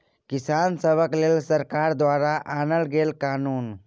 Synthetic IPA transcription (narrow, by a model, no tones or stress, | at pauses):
kɪsaːnsəbəkleːlsəɾkaːɾd̪waːɾaʔaːnəlɡeːlkaːnuːn